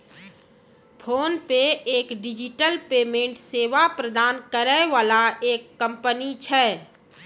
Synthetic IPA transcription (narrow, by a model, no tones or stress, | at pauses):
pʰoːnpeeːkɖɪd͡ʒɪʈəlpeːmẽːɳʈseːʋapɾəd̪aːnkəɾɛʋaːlaeːkːə̃mpənit͡ʃʰɛː